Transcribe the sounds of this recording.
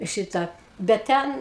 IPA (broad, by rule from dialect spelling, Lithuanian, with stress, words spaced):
ˈʃʲɪtɑː ˈbʲɛt ˈtʲɛn